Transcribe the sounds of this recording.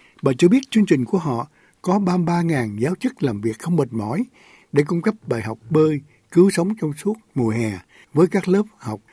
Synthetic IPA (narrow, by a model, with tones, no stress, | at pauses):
ɓa̰ː˨t͡ɕɨ˧ɓi˦˥ət̚t͡ɕɨ˧əŋt͡ɕï˨˩ŋ̟ku˧˩əɦɔ̰˧˨ | kɔ˨˦ɓaː˧ɓaː˧ŋaː˨˩nzaː˨˦wt͡ɕɨ˦˥k̚laː˨˩mvi˨˩ək̚xə˧wŋ͡mɓə˨˩t̚mɔ̰˧˩j | ɗe˧˩kʊ˧ŋ͡mkə˦˥p̚ɓaː˨˩jɦa˨˩wk͡p̚ɓəː˧j | kɨ˨˦wsə˨˦wŋ͡mt͡ɕwŋ͡msu˦˥ət̚mu˨˩jɦɛ˨˩ | vəː˨˦jkaː˦˥k̚ləː˦˥p̚ha˨˩wk͡p̚